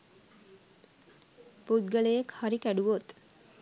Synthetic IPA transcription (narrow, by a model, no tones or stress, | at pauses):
put̪̚ɡəlejekhaɾikæɖuʋot̪